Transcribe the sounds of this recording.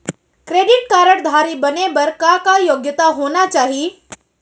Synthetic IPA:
kɾeːɖɪʈ̚kaːɾəɽd̪ʱaːɾibənebɐɾkakajoɡjət̪aɦoːnat͡ʃaːɦi

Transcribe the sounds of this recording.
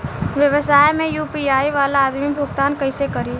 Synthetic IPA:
ʋjəʋəsaːjmẽjuːpiaːiʋaːlaaːd̪mibʱʊɡt̪aːnkəɪsekəɾiː

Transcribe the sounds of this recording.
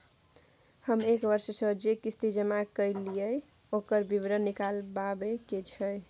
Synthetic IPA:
həmekbəɾssəd͡ʒekist̪id͡ʒəmakəjlijəj | okəɾbibɾənːikalbabeket͡ʃʰəj

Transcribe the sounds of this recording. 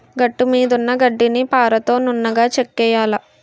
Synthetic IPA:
ɡɐʈːumiːd̪unːɐɡɐɖːinipaːɾɐt̪o̞ːnunːɐɡaːt͡ʃekːɛːjaːlɐ

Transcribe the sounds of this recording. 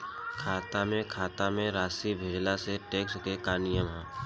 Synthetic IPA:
kʰaːt̪amẽkʰaːt̪amẽɾaːsibʱed͡ʒlaseʈeːkskekaːnɪjəmɦɛ̃ː

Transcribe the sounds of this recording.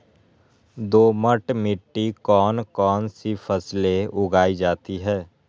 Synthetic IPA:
d̪oːməʈmɪʈːikɔːnkɔːnsifʰəsleʊɡaːid͡ʒaːt̪iɦɛː

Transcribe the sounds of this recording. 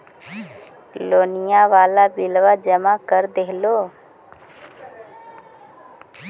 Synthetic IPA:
loːnijaʋaːlabilʋad͡ʒəmakəɾd̪eɦlo

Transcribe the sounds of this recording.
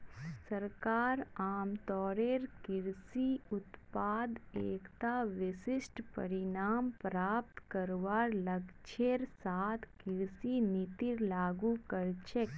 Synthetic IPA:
sɐɾkaːɾaːmt̪ɔːɾeːɾkɪɾsiʊt̪paːd̪eːkt̪aʋɪsɪsʈpɐ̰ɾɪnaːmpɾaːp̚t̪kɐɾʋaːɾlɐɡt͡ʃʰeɾsaːt̪ʰkɪɾsinɪt̪ɪɾlaːɡukɐɾt͡ʃek

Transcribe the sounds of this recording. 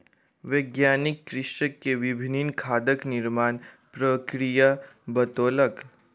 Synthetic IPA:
ʋeːɡjaːnɪkːɾɪʃəkːeʋɪbʱininkʰaːd̪əknɪɾmaːn | pɾəkɾijabɐt̪oːlək

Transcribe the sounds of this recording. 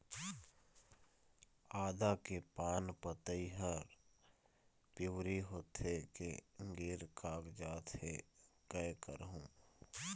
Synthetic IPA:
aːd̪akepaːnpət̪əiɦəɾ | pɪwɾiɦoːt̪ekeɡɪɾkaːɡd͡ʒaːt̪ɦekɛkə̰ɾɦũː

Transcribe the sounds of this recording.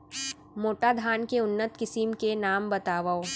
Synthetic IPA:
moːʈad̪ʱaːnkeʊnːət̪kɪsɪmkenaːmbɐt̪aːʋao

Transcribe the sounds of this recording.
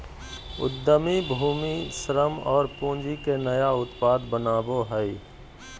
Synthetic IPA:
ʊ̰d̪ːəmibʱuːmiʃɾəmɔːɾpõːd͡ʒikenəjaʊt̪paːd̪bənaːboɦəi

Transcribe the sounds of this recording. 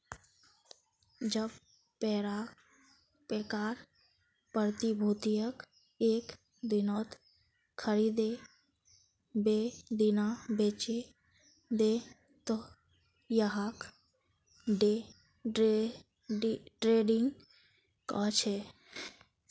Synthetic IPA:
d͡ʒəb | pɛɾa | pekaːɾ | pəɾt̪ibʱut̪ijək | eːk | d̪ɪnɔːt̪ | kʰəɾid̪e | bed̪inabet͡ʃe | d̪e | t̪o | jəɦak | ɖe | ʈɾeɖɪŋɡ | kɔt͡ʃʰe

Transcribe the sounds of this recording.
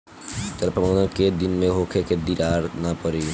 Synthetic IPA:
t̪əɾpɾəmod̪ənked̪inmẽɦokʰeked̪iɾaɾnapəɾi

